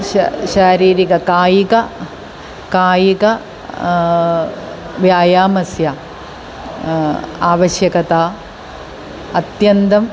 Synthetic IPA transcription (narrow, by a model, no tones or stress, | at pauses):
ʃaːɾiːɾikɐkaːjikɐ | kaːjikɐ | ʋjaːjaːmɐsja | aːʋɐʃjɐkɐt̪aː | ɐt̪jɐnt̪ɐm